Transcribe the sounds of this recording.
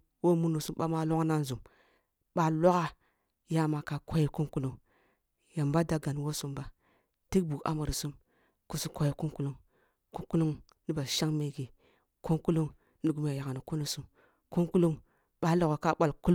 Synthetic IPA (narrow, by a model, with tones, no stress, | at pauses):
wo˦mu˦nu˨su˦mɓa˦ma˦lo˦kna˦nzu˨m | ɓa˦lo˦ka˦ | ja˦˨ma˨ka˨kʰo˦ji˨ku˦ŋku˦lu˦ŋ | ja˨mba˦da˦ɡa˨n˨wo˦su˦mba˦ | ti˦k̚bu˨ka̰˦ma˨ɾi˨su˦m | ku˦su˦kʷo˦ji˨ku˦ŋku˦lu˦ŋ | ku˦ku˦lu˦ŋ | ni˦ba˨ʃa˦ŋme˨ɡi˨ | ku˦ŋku˦lu˦ŋ | ni˨ɡu˨˦mja˨ja˨ka˨ni˨ku˦nu˨su˦m | ku˦ŋku˦lu˦ŋ | ɓa˦lo˨ɣo˨ka˦ɓa˦˨lku˦l